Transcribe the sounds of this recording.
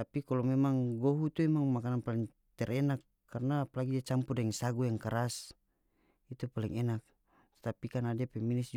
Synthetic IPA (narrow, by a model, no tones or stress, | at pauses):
t̪apikalɔmɛmaŋɡɔɦut̪uɛmaŋmakananpalɛŋ | t̪ɛɾɛnakːarnaːpalaɡidiat͡ʃampudɛŋsaɡujaŋkaɾas | it̪upaliŋɛnak̪̚ | t̪apikanadiapɛminisd͡ʒ